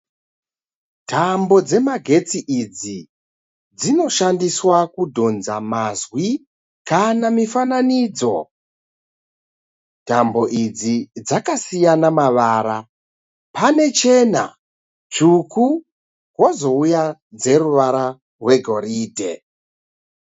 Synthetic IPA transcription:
tʰambo̞d͡ze̞maɡʱe̞t͡siʔid͡zi | d͡zino̞ʃandiswakudʱo̞nzamazwi | kanamifananiːd͡zo̞̰ | tambo̞ʔid͡zid͡zakasijanamaʋaːɾa | pane̞t͡ʃe̞na̰ | t͡ʂuku | kwo̞zo̞ujad͡ze̞ɾuʋaɾa | rwe̞ɡʱo̞ɾiːdʱe̞̰

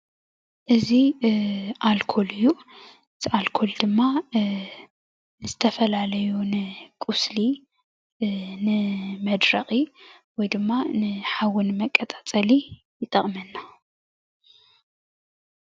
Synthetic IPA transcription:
ʔɨzi | ʔalkʰolɨjːu | ɨt̪ʰialkʰold̪ɨmːa | nɨzɨt̪ʰɐfɐlalɐjunɨkʼʊsli | nɨmɐd̪ɾɐχʼi | wɔjd̪ɨmːanɨħawʊnmɐkʼːɐt̪ʼat͡sʼɐli | jɪt̪ʼɐχʼmɐnːa

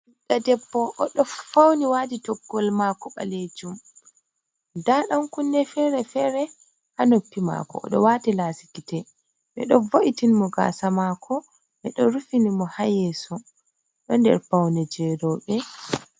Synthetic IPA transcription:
ɗadɛpːɔʔːɗɔfawniwaditɔɡːɔlmakɔɓa̰led͡ʒum | daɗamkunːɛfɛɾɛfɛɾɛ | hanopːima̰kɔ̰ːɗɔwaːtilasi̥kitɛ | ɓɛ̰ɗɔvoʔitinimɔɡa̰ːsamakʰɔ | ɓɛɗɔɾufinimɔhajɛsɔ | ɗɔndɛ̰ɾfawnɛd͡ʒɛɾɔɓɛ

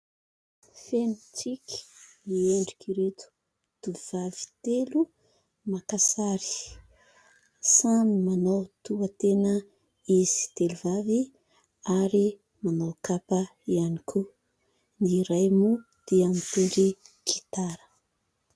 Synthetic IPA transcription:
fenit͡siki̥mieɳɖ͡ʐi̥kiɾet̪u̥ | d̪̥uv̥avi̥t̪elu | makasaɾi̥ | samimanawt̪uat̪enə | iz̥i̥t̪eluvavi | aɾi | manawkapəianikʰu | niɾajmu | d̪̥eamit̪eɳɖ͡ʐiki̥t̪aɾə̥

